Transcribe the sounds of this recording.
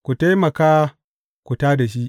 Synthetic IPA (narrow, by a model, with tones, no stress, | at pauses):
kʷu˨ta˦jmɐ˨kaː˦ | kʷu˨taː˦da˨ʃ̬i˦ʔ